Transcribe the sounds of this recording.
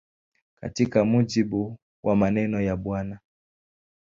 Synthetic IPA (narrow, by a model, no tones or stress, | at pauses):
ka̰tikamud͡ʒiɓu | wʔamanɛnɔjaɓwana